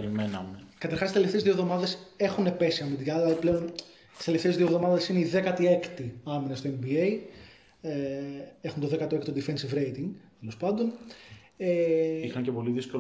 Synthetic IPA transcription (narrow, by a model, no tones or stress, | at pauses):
ɾimenɐmekɐt̪ɐɾxɐsit̪eleft̪ezðiovðo̞mɐðe̞se̞xunepe̞siɐmid̪ikɐlɐipleo̞n | i̥st̪eleft̪ezðiovðo̞mɐðesineiðe̞kɐt̪ie̞kt̪iɐminɐst̪oembiej | eexunt̪oðekɐt̪oekt̪od̪ife̞nsivɾejt̪iŋɡt̪elo̞spɐnd̪o̞n | eixɐɲcepo̞liðisko